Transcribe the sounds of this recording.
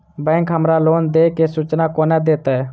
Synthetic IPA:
bɛ̃ːŋkɦəmɾaːloːnd̪eːkeːsuːt͡ʃnaːkoːnɛːd̪eːt̪aɛː

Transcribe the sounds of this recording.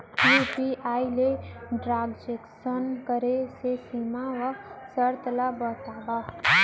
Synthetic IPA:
jupiʔaːileɖɾaːɡd͡ʒeksənkəɾesesimaʋasəɾt̪labət̪aːba

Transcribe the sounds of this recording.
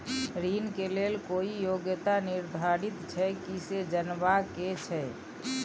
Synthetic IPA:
ɾiːnkeleːlkoːijoɡjət̪anɪɾd̪ʱaɾit̪t͡ʃʰɛkised͡ʒənʋaket͡ʃʰɛ

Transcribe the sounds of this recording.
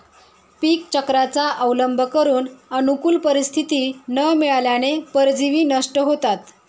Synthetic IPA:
piːkt͡ɕəkɾat͡saʔəwləmbʱəkəɾuːnənukuːlpəɾist̪ʰit̪iːnəmiɭaljanepəɾd͡ziʋiːnəʂʈəɦot̪at̪

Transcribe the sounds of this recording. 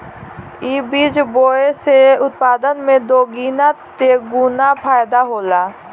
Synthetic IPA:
iːbiːd͡ʒboːeseʊt̪̚paːd̪ənmẽd̪oːɡiːnat̪eːɡuːnapʰaːjd̪aɦoːlaː

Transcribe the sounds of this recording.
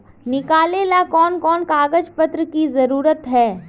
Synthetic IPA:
nɪkaːleːlakɔːnkɔːnkaːɡəd͡ʒpət̪ɾəkizɐɾuːɾət̪ɦɛː

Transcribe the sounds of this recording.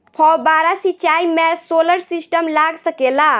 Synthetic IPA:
pʰɔbaɾasit͡ʃaimesoləɾsisʈəmlaɡsəkela

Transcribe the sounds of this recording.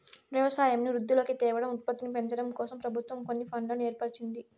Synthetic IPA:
ʋjɐʋɐsaːjɐmniɾud̪ːilo̞ːkit̪ɛːʋɐɽɐmut̪̚pɐt̪ːinipeɲt͡ʃɐɽɐmkɔːsɐmpɾɐbʱut̪ʋɐmko̞nːipʰɐɳɖlɐneːɾpɐɽt͡ʃind̪i

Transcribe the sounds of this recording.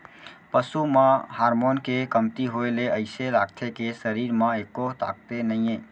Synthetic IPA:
pəsumãhaːɾmoːnkekəmt̪iɦoeleəɪselaːɡt̪ʰekesəɾiːɾmãeːkot̪a̰ːɡ̚t̪enəĩẽː

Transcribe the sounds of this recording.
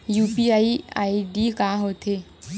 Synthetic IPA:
juːpiaːia̰ːiɖikaːɦoːt̪ʰeː

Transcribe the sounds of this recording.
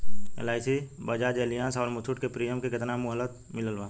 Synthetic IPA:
ḛlaːɪsibəd͡ʒaːd͡ʒeːlɪjãːsɔːɾmʊt̪ʰʊʈkepɾijəmkekɪt̪namʊɦələt̪ | mɪləlʋaː

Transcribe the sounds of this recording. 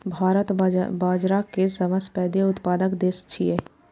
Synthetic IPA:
bʱaːɾət̪baːd͡ʒɾakesɐʋəspɛːd̪eʊt̪paːd̪əkd̪eːst͡ʃʰie

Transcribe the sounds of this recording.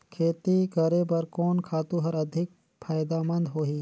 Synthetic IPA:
kʰeːt̪ikɐɾebɐɾkɔːnkʰaːt̪ũɦɐɾɐd̪ʱɪk̚ | pʰaːjd̪amɐ̃nd̪ɦoːɦiː

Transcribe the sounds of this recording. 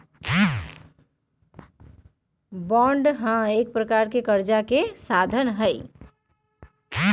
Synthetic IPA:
bɔ̃ɳɖɦãek̚pɾəkaɾkekəɾd͡ʒakesad̪ʱənɦəɪ

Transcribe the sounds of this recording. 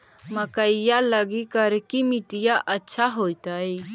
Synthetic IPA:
məkəijaləɡikəɾkimɪʈ̪ijaʔɐtːʃʰaɦoːit̪ai

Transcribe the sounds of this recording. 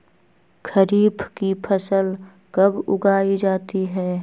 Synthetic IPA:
kʰəɾiːbkipʰəsəl | kɐbʊ̰ɡaːid͡ʒaːt̪iɦɛː

